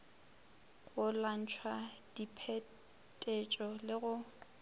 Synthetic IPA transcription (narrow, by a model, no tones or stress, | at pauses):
ɣʊlan̩t͡ʃʰwad̥ipʰe | tʼet͡ʃʼɔlɪɣʊ